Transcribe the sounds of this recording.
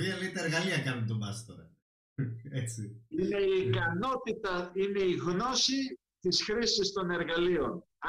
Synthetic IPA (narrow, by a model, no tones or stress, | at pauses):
iɐlit̪ɐeɾɣɐliɐkɐnunt̪omɐst̪oɾɐ | et͡siine̞iːkɐno̞t̪it̪ɐine̞iɣno̞si | t̪isxɾisist̪o̞ne̞ɾɣɐlio̞n